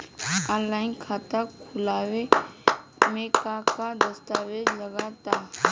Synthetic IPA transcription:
aːnlaːɪnkʰat̪akʰʊlaːʋe | mẽkakad̪ɐst̪aːʋed͡ʒlɐɡat̪aː

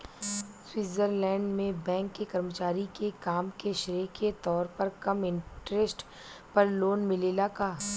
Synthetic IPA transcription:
swiːzəɾlɛ̃ːɳɖmẽbɛ̃ːŋkːekɐɾmət͡ʃaːɾikekaːmkeʃɾiːket̪ɔːɾpɐɾkɐmɪ̃ɳʈɾesʈ | pɐɾloːnmɪleːlakaː

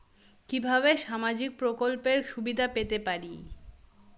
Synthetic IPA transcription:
kibʱaβeʃamad͡ʑik̚pɾokolpeɾʃubid̪ʱapet̪epaɾi

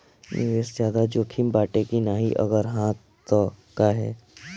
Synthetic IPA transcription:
nɪ̰ʋeːszjaːd̪ad͡ʒoːkʰimbaːʈekinaːɦiʔə̰ɡəɾɦãt̪ | t̪okaɦɛː

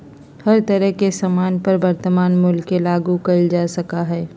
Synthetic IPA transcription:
hɐɾt̪ɐɾəɦkesamaːnpɐɾbɐɾt̪əmaːnmʊlkːelaːɡukɐld͡ʒaːsɐkaɦɛː

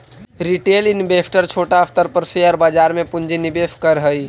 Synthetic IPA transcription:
ɾiʈelinbepʰʈəɾt͡ʃʰoːʈaəft̪əɾpəɾseəːɾbad͡ʒaɾmẽpund͡ʒinibefkəɾɦəj

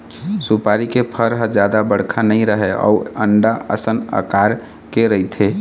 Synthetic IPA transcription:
supaɾikepʰəɾɦə̃d͡ʒad̪abəɽ̤kʰanəɪɾəɦeʔɔ̰uəɳɖaə̰sənə̰kaɾ | keɾəjt̪ʰe

